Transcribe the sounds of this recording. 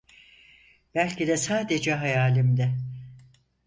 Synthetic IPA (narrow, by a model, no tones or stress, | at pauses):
b̥ælʲcʰid̪ɛsaːd̪ed͡ʒɛɦajaːlʲimd̪ɛ